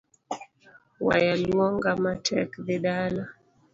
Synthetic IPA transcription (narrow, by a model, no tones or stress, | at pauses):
wa̰jalɔŋɡamatʰɛ̰kðɛɗala